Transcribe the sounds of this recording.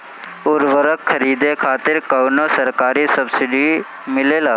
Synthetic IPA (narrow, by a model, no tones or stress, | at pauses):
ʊɾʋəɾəkːʰəɾiːd̪ekʰaːt̪ɪɾkəwnosəɾkaːɾisəbsɪɖi | mɪleːlaː